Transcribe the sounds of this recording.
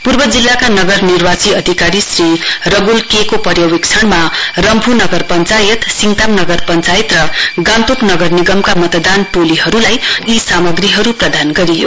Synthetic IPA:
purbʌd͡zilːakanʌɡʌrnirbat͡siʌd̪ʱikaɾisrirʌɡulkekopʌɾjʌwikt͡sʰʌɳmaɾʌmbʱunʌɡʌrpʌnt͡sajʌt̪siŋɡt̪amnʌɡʌrpʌnt͡sajet̪rʌɡãnt̪upnʌɡʌrniɡʌmkamʌt̪d̪anʈoliɦʌɾulajisamʌɡriɦʌɾuprʌd̪ʱanɡʌɾijo̰

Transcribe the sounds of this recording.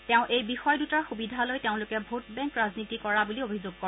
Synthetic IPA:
tɛʊ̃ʔejbixɔjdutaɹxubidʱalojteʊ̃lʊkɛbʱotbɛ̃ŋkɹaznitikɔɹabuliobʱizoɡ̚kɔ

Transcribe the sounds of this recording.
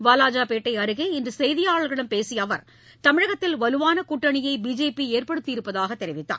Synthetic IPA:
ʋaːlaːd͡ʒaːpeːʈːɐɪɐɾɯɣeɪndrɯsɛjðɪjaːɭɐɭɣɐɪɽɐmpeːsɪjɐʋɐɾ | t̪ɐmɪɻɐɣɐt̪ːɪlʋɐlɯʋaːnɐkuʈːɐɳɪjɐɪbiːd͡ʒeːpieːrpɐɽɯt̪ːɪɪɾɯpːɐðaːɣɐt̪ːɛɾɪʋɪt̪ːa̰ː

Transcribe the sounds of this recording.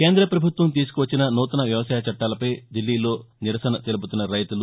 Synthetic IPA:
ke̞ːnd̪ɾɐpɾɐbʱut̪ʋɐmt̪̬iːs̬u̥kuʋɐt͡ʃːinɐnuːt̪ɐnɐʋjɐʋɐsaːjɐt͡ʃɐʈːaːlɐpɐjd̪ilːiːlo̞ː | niɾɐsɐnɐt̪elup̬ut̪unːɐɾɐjt̪ulu

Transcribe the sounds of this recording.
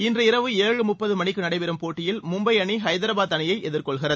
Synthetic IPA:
ɪndrɯɪɾɐʋɯeːɻɯmʊpːɐðɯmɐɳɪkːɯnɐɽɐɪpɛɾɯmpoːʈːɪjɪlmʊmbɐɪɐɳiɦɐɪðɐɾɐbaːt̪ːɐnɪjɐɪʔɛðɪɾkɔɭɣɪrɐð

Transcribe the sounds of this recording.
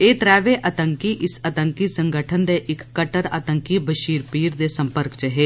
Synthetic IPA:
eːt̪ɾɛːʋeʔɐt̪əŋkiʔɪsɐt̪əŋkisə̃ŋɡəʈʰənd̪eʔɪkːəʈəɾɐ̰t̪əŋkibəʃiːɾpiːɾd̪esə̃mpəɾkt͡ʃəɦeː

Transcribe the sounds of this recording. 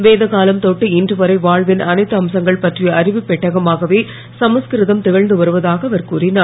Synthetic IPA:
ʋeːðɐɣaːlɐmt̪oːʈːɯɪndrɯʋɐɾɐɪʋaːɻʋɪnʔɐnɐɪt̪ːɯɐmsɐŋɡɐɭpɐʈrijɐɐɾɪʋɯpːɛʈːɐɣɐmaːɣɐʋeː | sɐmɐskɪɾɪðɐmt̪ɪɣɐɻnd̪ɯʋɐɾɯʋɐðaːɣɐɐʋɐɾkuːrɪnaːɾ

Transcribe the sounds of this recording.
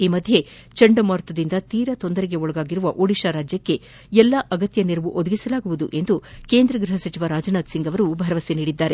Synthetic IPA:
iːmɐd̪ʱje̞ | t͡ʃɐɳɖɐmɐːɾt̪ɐd̪ind̪ɐt̪iːɾɐt̪o̞nd̪ɐɾeɡe̞ɔɭɐɡaːɡiɾuʋɐʔoɽiʃaɾaːd͡ʒjɐkːe | ɛlːɐʔɐɡɐt̪jɐniɾɐʋuʔod̪ɐɡisɐlaːɡuʋud̪uʔe̞nd̪uke̞ːnd̪ɾɐɡɾuɦɐsɐt͡ʃiʋɐɾaːd͡ʒɐnaːt̪siŋɡɐʋɐɾubʱɐɾɐʋɐseniːɽid̪ːaːɾe̞

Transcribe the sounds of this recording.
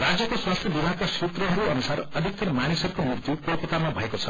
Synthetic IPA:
ɾad͡zjʌkoswast̪ʰjʌbibʱakasut̪rʌɦʌɾuʌnusaɾʌd̪ʱik̚t̪ʌɾmanisʌɾukomurt̪jukopet̪amabʱʌekot͡sʰʌ

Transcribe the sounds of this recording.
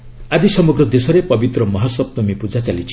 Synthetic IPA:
ad͡ʒisɔmɔɡɾɔd̪esɔɾepɔbit̪ɾɔmɔɦɔsɔb̚t̪ɔmipud͡ʒat͡ʃalit͡ʃʰi̥

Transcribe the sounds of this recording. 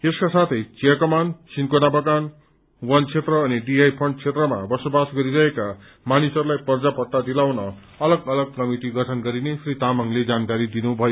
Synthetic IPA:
eskasat̪ʰʌjt͡siakʌmansinkonabʌkan | wʌnt͡sʰet̪rʌːniɖiajpʰʌɳɖt͡sʰet̪rʌmabʌsobasɡʌɾiɾʌeka | manisʌɾulajpʌrd͡zapʌʈt̪ːad̪ilawnʌ | ʌlʌɡʌlʌɡ̚kʌmiʈiɡʌʈʰʌnɡʌɾinesʰrit̪amʌŋled͡zankaɾid̪inubʱʌjo

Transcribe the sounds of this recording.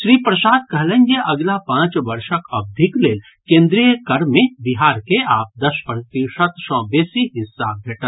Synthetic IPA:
ʃɾiːpɾɐsaːd̪̚kɐɦlə̃ŋɡeʔɐɡlapãːt͡ʃʋɐɾʃəkɐb̚d̪ʱɪkleːl | kẽːnd̪ɾijəkɐɾmẽbɪɦaːɾkeaːp̚d̪ɐʃpɾət̪iʃət̪ʃɔ̃ːbeːsiɦɪsːa̰bʱeːʈət̪

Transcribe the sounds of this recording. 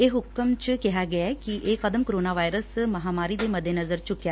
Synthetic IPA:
eːɦʊkəmt͡ʃkɪɦaɡɛakiʔeːkɐd̪əmkoɾoːnaːʋaːjɾəsmɐɦaːmaːɾid̪emɐd̪ʱːenɐzəɾt͡ʃʊkjaː

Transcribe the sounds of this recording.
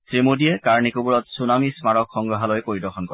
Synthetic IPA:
sɹimodiɛkaɹnikubuɹɔtsunamismaɹɔkxɔŋɡɹɔɦalojkoɹidɔxʰɔnkɔɹ

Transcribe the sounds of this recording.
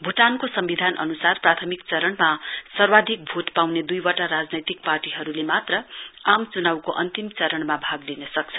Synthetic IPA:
bʱuʈankosʌmbid̪ʱanʔʌ̰nusarprat̪ʰʌmikt͡sʌɾʌɳmasʌrwad̪ʱik̚bʱut̪pawned̪ujwʌʈaɾad͡znʌjt̪ik̚parʈiɦʌɾulemat̪rʌamt͡sunawkoʔʌnt̪imt͡sʌɾʌɳmabʱaɡlinʌsʌk̚t͡sʰʌ

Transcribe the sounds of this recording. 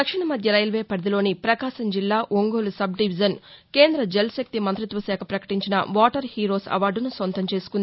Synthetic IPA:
ɐkʂiɳɐmɐd̪ʱjɐɾɐjɐlʋeːpɐɾd̪ilo̞ːnipɾɐkaːʃɐmd͡ʒilːaːʔoŋɡoːlusɐb̚ɖiʋid͡ʒɐnke̞ːnd̪ɾɐd͡ʒelɐsɐk̚t̪imɐnt̪ɾit̪ʋɐʃɛːkʰɐpɾɐkɐ̥ʈiɲt͡ʃinɐ̰ʋaːʈɐɾhiːɾo̞ːsɐ̰ʋaːɾɖunusʋɐnt̪ɐmt͡ʃe̞ːsu̥kund̪i

